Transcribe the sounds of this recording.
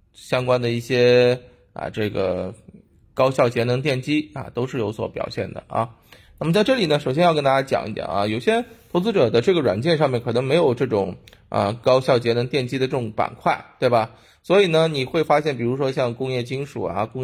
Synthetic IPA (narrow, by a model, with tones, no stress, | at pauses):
ɕjɑ˥ŋkwa˥nd̪ə˨i˥˩ɕjɛ˥ | ə̰˧ʈ͡ʂɤ˥˩ɡə̰˩ | kɑ˥ʊɕjɑ˥˩ʊt͡ɕjɛ˧˥nɤ˧˥ŋt̪jɛ˥˩nt͡ɕi˥ɐ̰˧t̪o˥ʊʂɻ̩˥˩jo˧˥ʊswɔ̰˧˥pjɑ̰˨˩ʊɕjɛ˥˩nd̪ə̰˩ɐ̰˧ | na˥˩mə˩t͡sa˥˧ɪʈ͡ʂɤ˥˩li˨˩nə˦ʂo˨˩ʊɕjɛ˥njɑ˥˩ʊkə˥nt̪a˥t͡ɕja˥t͡ɕjɑ̰˨˩ŋʔḭ˥t̪jɑ̰˨˩nɐ̰˥˧jo˨˩ʊɕjɛ˥t̪ʰo˧˥ʊt͡sɹ̩˥ʈ͡ʂɤ˨˩d̪ə˦ʈ͡ʂɤ˥˩ɡə˩ɻwa̰˨˩nt͡ɕjɛ˥˧nʂ̬ɑ˥˧mjɛ˥˩nkʰɤ˨˩ɤ˧˥ŋme˧˥ɪjo˨˩ʊʈ͡ʂɤ˥˩ʈ͡ʂʊ˨˩ŋ | ɐ̰˧kɑ˥ʊɕjɑ˥˩ʊt͡ɕjɛ˧˥nɤ˧˥ŋt̪jɛ˥˩nt͡ɕi˥d̪ə˧ʈ͡ʂɤ˥˩ʈ͡ʂʊ˧˥ŋpa̰˨˩nkʰwa˥˩ɪt̪we˥˩ɪbɐ˩ | swɔ˧˥i˨˩nə˦ni˨˩xwe˥˩ɪfa˥ɕjɛ˥˩npi˨˩ɻu˧˥ʂwɔ˥ɕjɑ˥˧ŋkʊ˥ŋjɛ˥˩t͡ɕi˥ŋʂu˨˩ɐ̰˧kʊ˥ŋ